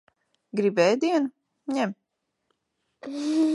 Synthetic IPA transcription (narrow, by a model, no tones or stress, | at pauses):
ɡɾibɛːjd̪iɛnu | ɲɛm